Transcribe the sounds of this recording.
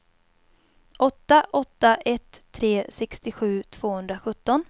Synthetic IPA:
ʔɔt̪ːaʔɔt̪ːaʔɛt̪ʰːɾeːsɛkst̪ɪɧʉ̟ːt̪ʰv̥oːhɵnd̪ɾaɧɵt̪ːɔn

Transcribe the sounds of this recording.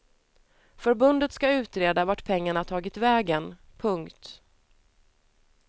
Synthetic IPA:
fœɾbɵnd̪ət̪skaʉ̟ːt̪ɾeːd̪avaʈpʰɛŋːaɳaʈ̪ʰɑːɡɪt̪vɛːɡənpʰɵŋkt̪

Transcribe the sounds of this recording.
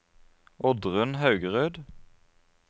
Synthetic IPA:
ɔd̪ʁʉnhɑʉɡəʁøːd̪

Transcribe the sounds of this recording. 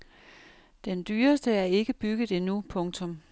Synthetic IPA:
d̥end̥yːɐsd̥əæɐe̝ɡ̥əb̥yɡ̥ð̩ˠenupʰɔ̽ŋt͡sʰɔ̽m

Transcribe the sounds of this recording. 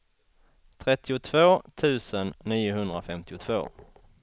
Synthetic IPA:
t̪ʰɾɛt̪ːɪʊt̪ʰvoːt̪ʰʉ̟ːsənːiːʊɦɵnd̪ɾafɛmt̪ɪʊt̪ʰv̥o̰ː

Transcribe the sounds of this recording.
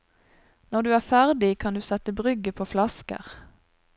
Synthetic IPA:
nɔʁd̪ʉːæːʁfæʁd̪ɪkʰɑnd̪ʉːsɛt̪əbʁʏɡəpʰoːflɑskə̰ʁ

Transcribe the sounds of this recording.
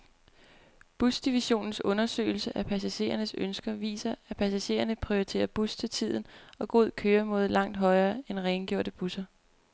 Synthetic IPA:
b̥usd̥iʋiɕo̝̰ːnn̩sɔ̽nɐsø̰ːɪl̩səʔæpʰæsæɕe̝̰ːɐnəsønsɡ̥ɐʋḭːsɐæpʰæsæɕe̝̰ːɐnəpʰʁioit͡sʰe̝̰ːɐb̥ust͡sʰe̝lt͡sʰið̞̰ˠn̩ɒ̽ɡ̥o̝ð̞̰ˠkʰøːɐmo̝ðˠlɑ̈ŋ̰d̥ɦɒ̽ɪɐːenʁɛɪnɡ̥jo̰ɐ̰ɾ̥əb̥usɐ

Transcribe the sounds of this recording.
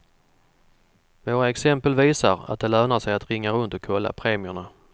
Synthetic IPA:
voːɾaɛksɛmpəlviːsaɾa̰t̪̚d̪ɛlœːnaʂɛjat̪ɾɪŋːaɾɵnt̪ɔkʰɔlːa̰pʰɾeːmɪʊɳa

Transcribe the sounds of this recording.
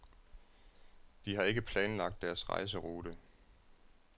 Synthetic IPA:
d̥iɦɑ̈e̝ɡ̥əpʰlɛːnlɑ̈ɡ̥̚d̥ːæɐsʁɑ̰̈ɪs̬əʁuːɾə

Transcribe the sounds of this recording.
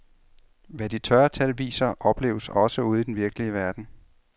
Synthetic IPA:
ʋæd̥it͡sʰɶɐt͡sʰælʋḭːsɐʔɒ̽b̥le̝ːʊsɒ̽səuð̞̩ˠid̥enʋiɐɡ̥əliəʋæɐd̥n̩

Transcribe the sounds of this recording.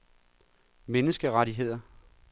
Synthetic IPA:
menəsɡ̥əʁaɾiɦe̝ð̞̰ˠɐ

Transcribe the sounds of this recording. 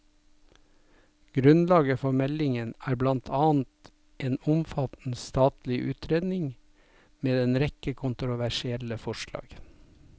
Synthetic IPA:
ɡ̥ɾʉnlɑːɡəfɔmɛlɪŋənæːɾblɑnt̪ʰɑːnt̪ | ʔeːnʊmfɑt̪n̩st̪ɑːt̪lɪʔʉ̰ːt̪ʰɾeːd̪nɪŋ | meːd̪ɛnɾɛkəkʰʊnt̪ɾʊʋæʃɪɛləfɔʃlɑ̰ːɡ̥

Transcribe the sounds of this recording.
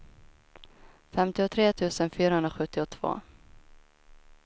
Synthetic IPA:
fɛmt̪ɪʊt̪ʰɾeːt̪ʰʉ̟ːsənfyːɾahɵnɾaɧɵt̪ːɪɔt̪ʰv̥o̰ː

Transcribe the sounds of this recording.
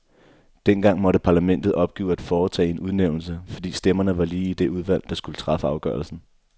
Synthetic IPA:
d̥en̰ɡ̥ɑ̈ŋ̰mɒ̽ɾəpʰɑ̈ːlæmen̰d̥ð̞̩ˠɒ̽b̥̚ɡ̥ḭːʊæd̥fɒːt͡sʰɛ̰ːe̝nuð̞ˠneʊ̰n̩s̬əfɒd̥ḭːsd̥emɐnəʋɑ̈liːid̥e̝uð̞ˠʋæl̰d̥ɑ̈sɡ̥ulət͡sʰʁɑ̈fəɑ̈ʊɡ̥ɶ̰ɐl̩sn̩

